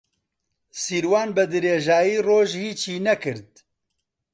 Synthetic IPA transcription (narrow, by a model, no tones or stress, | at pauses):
siːɾwaːnbɨd̪ɨɾeːʒaːjiːroːʒhiːt͡ʃʰiːnɛkɨɾd̪̚